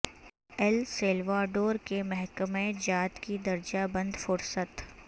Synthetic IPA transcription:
ɛlseːlʋaːɖoːɾkemɛɦkəmẽd͡ʒaːt̪kid̪ɐɾd͡ʒabɐ̃nd̪fʊɾsət̪

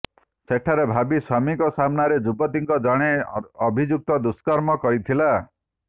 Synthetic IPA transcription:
sek̚ʈʰaɾebʱabiswamikɔsamnaɾed͡ʒubɔt̪iŋkɔd͡ʒaɽ̃eɔbʱid͡ʒuk̚t̪ɔd̪uskɔɾmɔkɔɾit̪ʰila

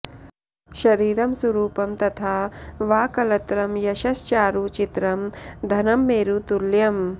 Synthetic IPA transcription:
ʃɐɾiːɾɐmsɐɾuːpɐmt̪ɐt̪ʰaːʋaːkɐlɐt̪ɾɐmjɐʃɐst͡ʃaːɾut͡ʃit̪ɾɐmd̪ʱɐnɐmːeːɾut̪uɾljɐm

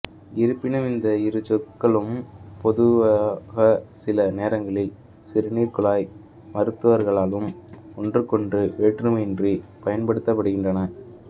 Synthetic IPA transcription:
ɪɾɯpːɪnɐmɪnd̪ɐɪɾɯt͡ʃɔkːɐɭɯmpɔðɯʋaɣɐsɪlɐneːɾɐŋɡɐɭɪl | sɪɾɯniːɾkɯɭaːj | mɐɾɯt̪ːɯʋɐɾɣɐɭaːlɯm | ɔndrɯkːɔɳdrɯʋeːʈrɯmɛndripɐjɐnpɐɽɯt̪ːɐp̬ːɐɽɯɣɪndrɐnɐ

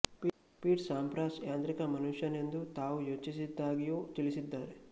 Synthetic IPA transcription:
piːʈsaːmpɾaːsjaːnt̪ɾikɐmɐnuʂjɐne̞nd̪ut̪aːʋujo̞ːt͡ʃisid̪ːaːɡijoːt͡ʃilisid̪ːaːɾe

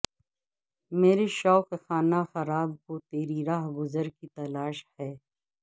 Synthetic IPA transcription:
meːɾeʃɔːkxaːnaxɐɾaːbkot̪eːɾiɾaːɦɡʊzəɾkit̪ɐlaːʃhɛː

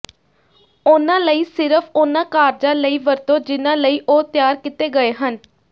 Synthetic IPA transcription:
ʊnãːləiːsɪɾəpʰʊnãːkaːɾd͡ʒãːləiːʋəɾt̪õːd͡ʒɪnãːləiːʔoːt̪ɪjaːɾkɪt̪eːɡəeːɦən

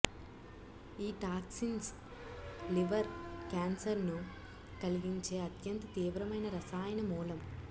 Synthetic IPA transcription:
iːʈaːksins | liʋɐɾkaːnsɐɾnu | kɐliɡiɲt͡ʃe̞ːɐt̪jɐnt̪ɐt̪iːʋɾɐmɐjnɐɾɐsaːjɐnɐmuːlɐm

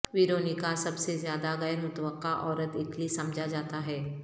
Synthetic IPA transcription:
ʋiːɾoːnikasɐbsezjaːd̪aɣɐjəɾmʊt̪wəqːaʔɔːɾət̪ɪklisɐ̃md͡ʒʱad͡ʒaːt̪aɦɛː

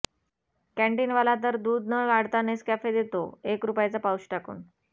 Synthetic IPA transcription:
kæ̃ɳʈiːnʋəlat̪̬əɾd̪uːd̪nəɡaɽt̪aneskæfed̪et̪o̰ekɾupajat͡sapauɕʈakṵːn

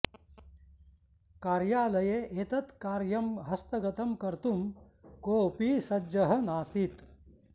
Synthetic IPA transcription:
kaːɾjaːlɐjeʔeːt̪ɐt̪kaːɾjɐmɦɐst̪ɐɡɐt̪ɐmkɐɾt̪um | koːpiːsɐd͡ʒɐɦɐnaːsit̪

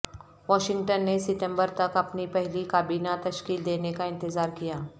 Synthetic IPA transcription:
ʋɔːʃɪ̃ŋɡʈənːesɪʈə̃mbəɾt̪ɐkɐpnipɛɦlikaːbiːnat̪ɐʃkiːld̪eːnekaɪ̃nt̪ɪzaːɾkijaː

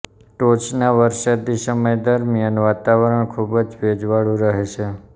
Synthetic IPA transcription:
ʈot͡ʃnaʋəɾsad̪isəməjd̪əɾmijənʋat̪aʋəɾəɳkʰubəd͡ʒʋed͡ʒʋaɭũɾəɦet͡ʃʰe

